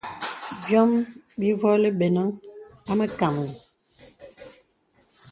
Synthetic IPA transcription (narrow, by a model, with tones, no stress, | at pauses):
bjɔ˦mbi˦vɔ˦le˦be˨na˦ŋa˦mə˦ka˨m˨ni˨